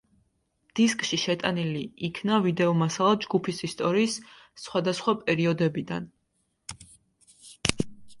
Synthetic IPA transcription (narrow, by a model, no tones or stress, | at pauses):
d̪̥iskʼʃiʃɛt̪ʼaniliːkʰnavid̪ɛɔmasalˠad͡ʒɡupʰisist̪ʼɔɾiːsː | χwad̪asχwapʼɛɾiɔd̪ɛbid̪an